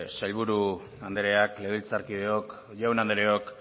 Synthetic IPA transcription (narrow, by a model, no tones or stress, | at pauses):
sajlβuɾu | and̪eɾe̞akleð̞ilt͡saɾkið̞eok | ʝawnand̪eɾeok